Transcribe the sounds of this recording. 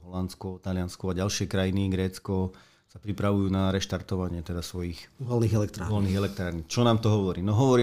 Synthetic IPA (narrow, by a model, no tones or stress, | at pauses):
ɦɔlant͡skɔt̪alɪanskɔaɟalʃɪɛkɾajiniɡɾɛːt͡skɔ | sapɾipɾaʋujuːnaɾɛʃt̪aɾt̪ɔʋaɲɪɛt̪ɛd̪asʋɔjixʋɔlniːɣɛlɛkt̪ɾaʋɔlniːɣɛlɛk̚t̪ɾaːɾnit͡ʃɔnaːmt̪ɔɦɔʋɔɾiːnɔɦɔʋɔɾi